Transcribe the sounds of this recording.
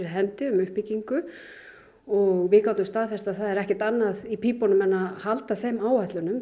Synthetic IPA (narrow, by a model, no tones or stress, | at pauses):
ɾɦɛnt̪ɪʏmʏhpiciŋkʏ | ɔɣvɪkawt̪ʏmst̪aːðfɛst̪aðθaðɛɾɛhcɛɾ̥t̪anːaðipʰiːpɔnʏmɛnːahalt̪aθejmaːwhat̪lʏnʏm